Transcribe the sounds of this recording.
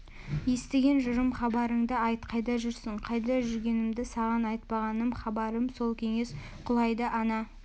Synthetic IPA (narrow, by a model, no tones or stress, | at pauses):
je̞st̪eɡʲe̞nʒʊɾəmχɑbɑɾəɴd̪əɑjt̪qʰɑjd̪ɑʒʏɾsɪɴqʰɑjd̪ɑʒʏɾɡʲe̞nɪmd̪ɪsɑʁɑnɑjt̪̚pɑʁɑnəmχɑbɑɾəmso̞lˠkʲʰe̞ŋe̞s | qʰʊlˠɑjd̪əʔɑnɑ